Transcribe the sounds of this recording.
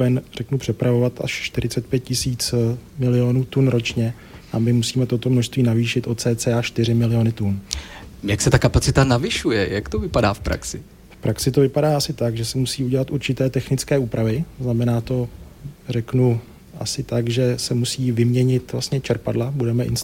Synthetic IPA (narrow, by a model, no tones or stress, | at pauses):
ɛnrɛknupr̝̥ɛpɾavo̞vat̪a̰ʃʃt̪ɪɾɪt͡sɛt̪̚pjɛt̪̚cɪsiːt͡smɪlɪjo̞nuːt̪unɾo̞t͡ʃɲɛ | ʔamɪmusiːmɛt̪o̞t̪o̞mnoʃst̪viːnaviːʃɪt̪ʔo̞t̪t͡sɛːt͡sɛaʃt̪ɪr̝ɪmɪlɪjo̞nɪt̪un | jaksɛt̪akapat͡sɪt̪anavɪʃujɛjakt̪ovɪpada̰ːfpɾa̰ksɪ | fpɾʔaksɪt̪ovɪpadaːasɪt̪aɡʒɛsɛmusiːuɟɛlat̪ʔuɾt͡ʃɪt̪ɛːt̪ɛxnɪt͡skɛːʔuːpɾavɪznamɛnaːt̪o̞ | rɛknu | ʔa̰sɪt̪aɡʒɛsɛmusiːvɪmɲɛɲɪt̪vlast̪ɲɛt͡ʃɛɾpadlabudɛmɛʔɪ̰ns